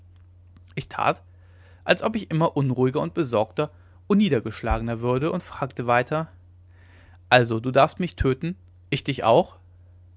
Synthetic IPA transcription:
ʔɪçtʰa̰ːt | ʔalsʔɔpɪçʔɪmɐʔʊnʁuːɪɡɐʊnt̚b̥əzɔɐktɐ | ʔʊnːiːdɐɡəʃla̰ːɡənɐvʏɐdəʔʊntfʁ̥aːktəvaɪtʰɐ | ʔalzoduːdaɐfstmɪçtʰøːtn̩ | ʔɪçd̥ɪçʔa̰ʊx

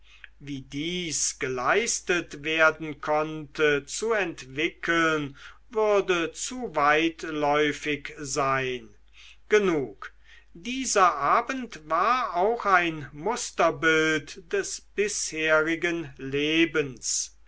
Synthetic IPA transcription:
viːdiːsɡ̥əlaɪstətveːɐdn̩kʰɔntət͡suɛntv̥ɪkʰəlnvʏʁɐdət͡suvaɪtlɔʏfɪkzaɪn | ɡ̥ənuːk | d̥iːzɐʔaːbəntvaːɐaʊxaɪnmʊstɐbɪltd̥ɛsb̥ɪsheːʁɪɡənleːbəns

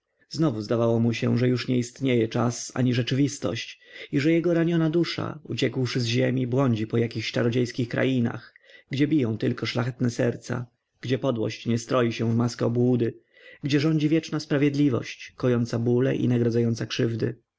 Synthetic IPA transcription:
znɔvuzd̪avawɔmuɕɛ̰ʐɛjuʂɲɛist̪ɲejɛt͡ʂasa̰ɲiʐɛt͡ʂɘvʲist̪ɔ̰ɕt͡ɕiʐɛjɛɡɔɾaɲɔnad̪uʂa̰ut͡ɕɛkwʂɘzʑemʲibwɔɲd͡ʑipɔjakʲixɕt͡ʂaɾɔd͡ʑejskʲixkɾa̰jina̰x | ɡd͡ʑɛbʲijɔ̃w̃t̪ɘlkɔʂlaxɛt̪nɛsɛɾt̪sa̰ | ɡ̥d͡ʑɛpɔd̪wɔ̰ɕt͡ɕɲɛst̪ɾɔjiɕɛ̃vmaskɛɔbwud̪ɘ | ɡd͡ʑɛʐɔɲd͡ʑivʲjɛt͡ʂnaspɾavʲjɛd̪lʲivɔ̰ɕt͡ɕkɔjɔnt̪sabulɛ̰ʔḭnaɡɾɔd̪zajɔnt̪sakʂɘvd̪ɘ̰

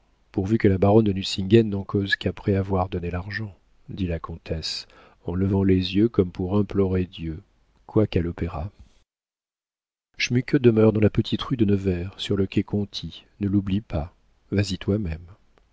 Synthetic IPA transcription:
puʁvykəlabaʁɔnd̪ənysĩŋɡɛnːɑ̃kozkapχɛavwaʁd̪ɔnelaʁʒɑ̃ | d̪ilakɔ̃t̪ʰɛs | ɑ̃ləvɑ̃lezjøkɔmpʰuʁɛ̃plɔʁed̪jø | kʰwakalɔpeʁa | ʃmykød̪əmœʁd̪ɑ̃lapət̪ʰit̪ʁyd̪ənəvɛʁsyʁləkʲɛkɔ̃t̪ʰinəlublipa | vazit̪wamɛm

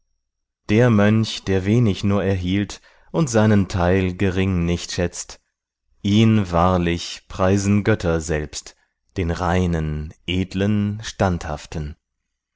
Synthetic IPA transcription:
d̥eːɐmœnçd̥eːɐveːnɪçnuːɐɛɐɦiːlt | ʔʊntz̥aɪnəntʰaɪlɡəʁɪŋnɪçtʃɛt͡st | ʔiːnvaːɐlɪçpʁ̥aɪzn̩ɡœtʰɐzɛlpst | d̥eːnʁaɪnənʔeːdlənʃtantha̰ftn̩

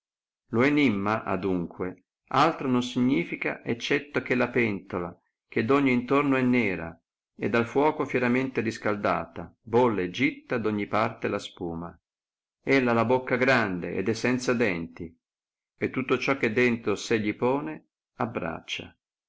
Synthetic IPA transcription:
loenimːaʔa̰d̪uŋkwe | alt̪ɾononsiɲːiːfika̰ʔɛt͡ʃːɛt̪ːok̟elapɛnt̪ola | k̟ed̪oɲːiːnt̪ornoɛnːɛːɾa̰ | ed̪ːalfwɔːkofjɛɾament̪eɾiskald̪a̰ːt̪abolːed͡ʒit̪ːad̪oɲːipart̪elaspuːma | ɛlːalabokːaɡɾand̪ḛʔḛd̪ɛsːɛnt̪sad̪ɛnt̪i | et̪ːut̪ːot͡ʃɔk̟ːed̪ːɛnt̪ɾoseʎːipoːne | abɾa̰t͡ʃːa̰

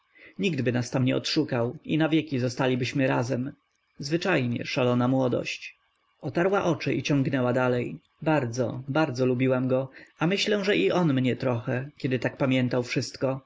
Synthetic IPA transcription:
ɲiɡd̪bɘnast̪amɲɛɔ̰t̪ʂukawḭnavʲjɛkʲizɔst̪alʲibɘɕmɘɾazɛm | zvɘt͡ʂajɲɛ̰ʂalɔnamwɔd̪ɔ̰ɕt͡ɕ | ɔt̪aɾwaʔɔt͡ʂɘʔit͡ɕɔ̃ŋɡnɛwad̪alɛj | baɾd̪zɔ̰baɾd̪zɔlubʲiwamɡɔamɘɕlɛw̃ʐɛʔiʔɔnmɲɛt̪ɾɔxɛkʲɛd̪ɘt̪ak̚pamʲjɛnt̪awfʂɘst̪kɔ

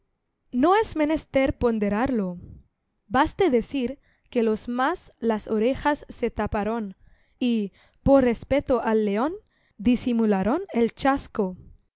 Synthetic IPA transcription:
noezme̞nest̪eɾpo̞nd̪eɾaɾlo | bast̪eðesiɾ | kelo̞smaslasoɾexasːet̪apaɾon | i | poɾrespet̪oʔalːeon | d̪isimulaɾonelt͡ʃasko

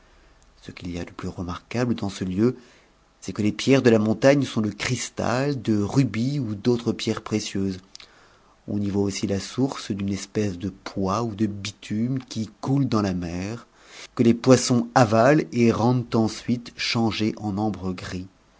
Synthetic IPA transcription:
səkʲilia̰d̪əplyʁəmaʁkabləd̪ɑ̃səljø | sɛkəlepjɛʁd̪əlamɔ̃t̪aɲsɔ̃d̪əkχist̪a̰ld̪əʁybiud̪ot̪χəpjɛʁpχesjøz | ɔ̰̃nivwaosilasuʁsd̪ynɛspɛsd̪əpʰwaud̪əbit̪ʰymkʲikuld̪ɑ̃lamɛʁ | kəlepwasɔ̃avaleʁɑ̃d̪t̪ɑ̃sɥit̪ʃɑ̃ʒeʔɑ̃nɔ̃bʁəɡʁi

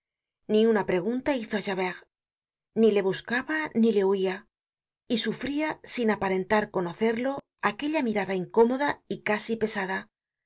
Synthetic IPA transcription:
niunapɾe̞ɣ̞unt̪aiθoaʃaβeɣ | nile̞βuskaβanile̞uia | isufɾiasinapaɾe̞nt̪aɾko̞no̞θe̞ɾlo̞ | ake̞ʎamiɾaðaiŋko̞mo̞ðaikasipe̞saða

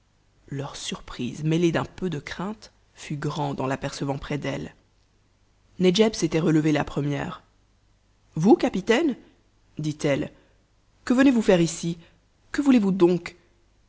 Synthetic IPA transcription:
lœʁsyʁpχizmeled̪ɛ̃pød̪əkχɛ̃t̪ | fyɡʁɑ̃d̪ɑ̃lapɛʁsəvɑ̃pχɛd̪ɛl | ned͡ʒɛbset̪ɛʁələvelapχəmjɛ̰ːʁ | vukapit̪ɛn | d̪it̪ɛl | kəvənevufɛʁisi | kəvulevud̪ɔ̃k

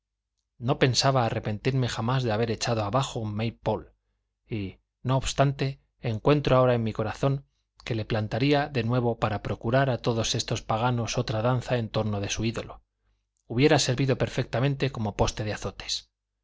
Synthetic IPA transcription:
no̞pe̞nsaβaːre̞pe̞nt̪iɾme̞χamazðe̞aβ̞e̞ɾe̞t͡ʃaðoaβaxoummejpo̞l | i | no̞ːβst̪ant̪e̞ː | ŋkwe̞nt̪ɾoao̞ɾaenmiko̞ɾaθo̞ŋ | ke̞le̞plant̪aɾiaðe̞nwe̞βo̞paɾapɾo̞kuɾaɾat̪o̞ðo̞se̞st̪o̞spaɣ̞ano̞so̞t̪ɾaðan̟θae̞nt̪o̞ɾno̞ðe̞suiðo̞lo | uβje̞ɾase̞ɾβiðo̞pe̞ɾfe̞k̚t̪amẽ̞nt̪e̞ko̞mo̞po̞st̪e̞ðeaθo̞t̪e̥s

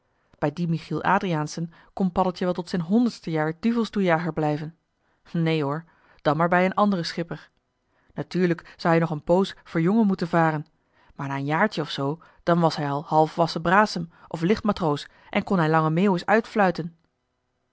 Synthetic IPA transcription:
b̥ɛjdimiχilˠʔa̰ːdrijaːnsən | kɔnpɑdəlˠtjəʋɛlˠtɔtsɛjnɦɔndəɹtstəjaːɹdyvəlˠstujaːχəɹblɛjvən | nejɦoːɹ | d̥ɑnmaːɹbɛjənʔɑndərəsχɪpəɹ | natyːɹləksɑwɦɛjnɔχənpowsfoːɹjɔŋəmutənvaːrən | maːɹnaːənjaːɹt͡ʃəɔfsow | d̥ɑnʋɑsɦɛjɑlˠhɑlˠfʋɑsəbraːsəmʔɔflɪχtmatrows | ʔɛ̰nkɔnɦɛjlɑŋəmeːwəsœɥtflœɥtən

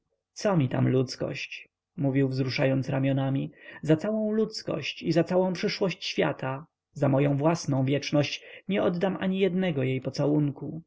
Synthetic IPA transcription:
t̪sɔmʲit̪a̰mlut̪skɔ̰ɕt͡ɕ | muvʲiwvzɾuʂajɔnt̪sɾamʲjɔnamʲizat̪sawɔ̃w̃lut̪skɔ̰ɕt͡ɕizat̪sawɔ̃w̃pʂɘʂwɔɕt͡ɕɕfʲja̰t̪ʰa | zamɔjɔ̃w̃vwasnɔ̃w̃vʲjɛt͡ʂnɔɕt͡ɕɲɛʔɔd̪d̪amʔa̰ɲijɛd̪nɛɡɔjejpɔt̪sawuŋku

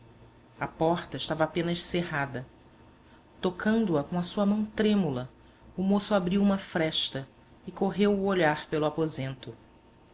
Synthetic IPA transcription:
ɐpɔχt̪ɐɪʃt̪avɐapẽnɐʃseɦad̪ɐ | t̪okʰɐ̃nd̪ʊɐkõɐsuɐmɐ̃w̃t̪ɾẽmulɐ | ʊmosʊabɾiwũmɐfɾɛʃt̪ɐ | ɪkoɦewʊoʎaɾpelʊapozẽnt̪ʊ

